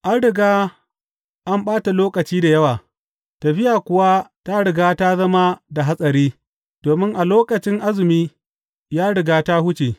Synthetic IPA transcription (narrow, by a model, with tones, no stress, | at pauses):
ʔa˦nɽɪ˨ɡaː˦ | ʔa˦mɓaː˦ta˨loː˦kʼɐ˨t͡ʃiː˦da˨jɐ˦waː˨ | tɐ˨ɸɪ˦jaː˨kʷʊ˨wa˦ta˦ɽɪ˨ɡaː˦ta˦zɐ˦ma˦da˨ɦa˦sʼɐ˨ɾiː˦ | d̥oː˨mɪ˦ŋʔa˨loː˦kɐ˨t͡ʃɪ˦ŋʔa˦zɪ˨miː˦ | jaː˦ɽɪ˨ɡaː˦ta˦hʊ˦t͡ʃeː˨